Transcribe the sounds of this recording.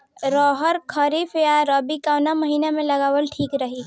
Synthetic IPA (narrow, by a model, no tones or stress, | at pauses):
ɾɔːɦəɾkʰəɾifjaɾəbikawnaməɦiːnamẽlɐɡaːwəlʈʰiːkɾəɦiː